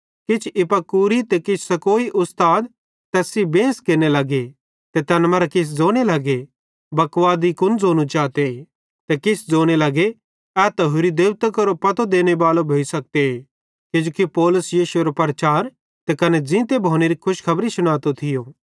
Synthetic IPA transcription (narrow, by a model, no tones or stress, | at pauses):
kɪt͡ʃʰɪpɐkuːɾit̪ekɪt͡ʃʰsɐkoːiʔʊst̪aːd̪ | t̪ɛːsibẽːskeɾnelɐɡe | t̪et̪ɛnmɐɾakɪs̬d͡zoːɽ̃elɐɡe | bɐkʋaːd̪ikʊnd͡zoːñũt͡ʃaːt̪e | t̪ekɪsʰd͡zoːɽ̃elɐɡe | ɛːt̪ɐɦʊɾid̪eːʋt̪əkɐɾopɐt̪od̪eːñebaːlobʱoːisɐk̚t̪eɦe | kɪd͡ʒoːkipɔːlʊsjiːʃueɾopɐɾt͡ʃaːɾ | t̪ekɐned͡ʒɪ̃t̪ebʱoːñeɾikʰʊʃkʰɐbɾisʊɽ̃aːt̪ot̪ʰɪjoː